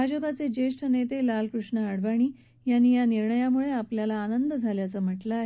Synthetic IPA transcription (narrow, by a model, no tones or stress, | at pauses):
bʱad͡ʑəpat͡sed͡ʑeʂʈʰənet̪elalkɾuʂɳəaɽʋaɽ̃iː | janːiːjaniɾɳəjamuɭeapljalaːnənd̪əd͡zʱaljat͡səm̤əʈlaːɦe